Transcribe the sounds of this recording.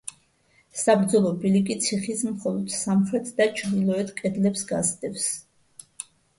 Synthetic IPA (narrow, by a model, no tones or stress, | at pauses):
sabɾd̪zɔlˠɔbilikʼit̪sʰiχismχɔlˠɔd̪̥samχɾɛt̪ʰd̪at͡ʃʰɾd̪ilˠɔɛt̪ʰkʼɛd̪lɛpsɡazd̪ɛps